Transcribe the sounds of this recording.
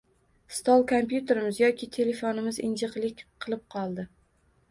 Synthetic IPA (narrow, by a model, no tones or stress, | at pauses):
st̪ɒlˠkʰompjʊt̪ʰe̞ɾɪmɪzjɒkʲʰɪt̪ʰe̞le̞fonɪmɪzɪ̰nd͡ʒɨqlˠɪkʲqʰɨlˠɪp̚qʰɒlˠd̪ɪ